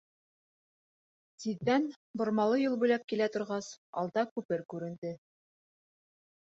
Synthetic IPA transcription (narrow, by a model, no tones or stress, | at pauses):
siðːæn | bŏɾmɑlˠɤjɤlˠbʉjlæp̚kilæt̪ŏɾʁɑsɒ̰lˠd̪ɑkʉpɘɾkʉɾɘ̆nd̪ɘ